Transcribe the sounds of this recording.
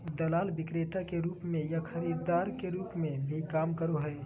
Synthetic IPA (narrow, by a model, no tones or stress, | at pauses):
d̪ɐlaːlʋɪkɾeːt̪akeɾuːpmẽjaxʰɐɾiːɾd̪aːɾkeɾuːpmẽbʱikaːmkɐɾoɦɛː